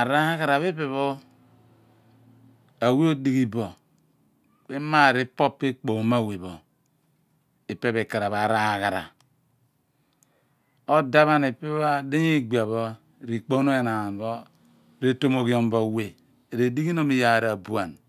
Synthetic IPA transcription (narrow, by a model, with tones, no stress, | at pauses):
a˨ɾa˦ha˦ka˨ɾa˨βe˦pe˨βo˦ | a˨we˦o˦di˦ɡi˦bo˨ | be˦ma˦˨ɾe˦po˦pːe˦k͡po˨ma˦˨we˨bo˨ | e˨pe˦βe˨ka˨ɾa˨βa˨ɾa˦ha˨ka˨ɾa̰˨ | o˦da˦βa˦ne˨pe˦a˦de˦ɲi˦˨ɡ͡ba˨βo˦˨ | ɾi˨k͡po˦no˦e˨na˨bo˦ | ɾe˦to˦mo˨ki˦o˦˨m˦bo˨we˨ | ɾe˨di˦ɡi˦no˦mi˨ja˨ɾa˨bu˦a˨n